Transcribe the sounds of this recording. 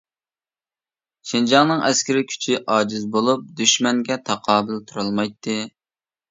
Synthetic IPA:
ʃind͡ʒɑŋnɨŋɛskʲɪɾɪkʲʰy̥t͡ʃʰiʔɑːd͡ʒizbolˠup̚d̪yʃmɛŋɡʲɛt̪ʰɑqʰɑːbɪlt̪ʰuɾɨlˠmɑjt̪ʰːɨ

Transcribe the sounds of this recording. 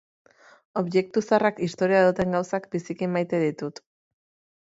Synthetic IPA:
o̞βje̞k̚t̪usarakist̪o̞ɾiaðut̪e̞ŋɡawsakbisikimːajt̪e̞ðit̪ut̪

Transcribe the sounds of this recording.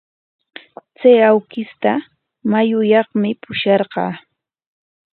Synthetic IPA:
t͡sajawkɪst̪a | majʊjɑχmɪpʊʃɑɾɢɑ̰ː

